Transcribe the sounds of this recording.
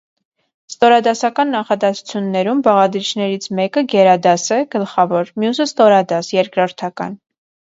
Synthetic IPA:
st̪ɔɾɑd̪ɑsɑkɑnːɑχɑd̪ɛsu̥t͡sʰjunːɛɾumbɑʁɑd̪ɾit͡ʃʰnɛɾit͡sʰmɛkəɡɛɾɑd̪ɑsɛɡ̥əlχɑvɔɾmjusəst̪ɔɾɑd̪ɑsjɛɾkɾɔɾt̪ʰɑkɑ̰n

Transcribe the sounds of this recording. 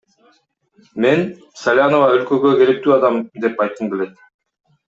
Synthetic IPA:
me̞n | salʲanovɑølkøɡøɡeɾek̚t̪yːɑd̪ɑmd̪e̞pɑjt̪̚ːɯnɡele̞t̪

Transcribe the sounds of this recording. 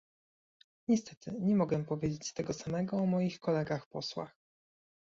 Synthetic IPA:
ɲɛst̪ɛt̪ʰɘɲɛmɔɡɛmpɔvʲjed͡ʑet͡ɕt̪ɛɡɔsamɛɡɔːmɔjixkɔlɛɡaxpɔswa̰x

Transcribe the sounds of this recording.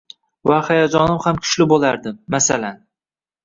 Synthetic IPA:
vahajad͡ʒɒnɪmhamkʲʰʊ̥ʃlɪbolaɾd̪ɪmːasalan

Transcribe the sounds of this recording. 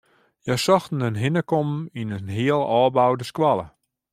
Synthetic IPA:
jasɔxtn̩ənɦɪnəkomminənɦiəlˠɔːbawdəskwalˠə̰

